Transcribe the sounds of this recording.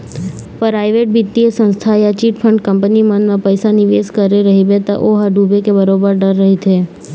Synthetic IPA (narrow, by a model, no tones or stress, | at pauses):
pɾajʋeʈ̚bit̪ːiesə̃nst̪ʰajat͡ʃiʈfʰəɳɖkəmpənimənmãpəjsaniʋeskəɾeɾəɦibet̪a̰ʔoɦaɖʱubekebəɾobəɾɖəɾːəɦit̪ʰe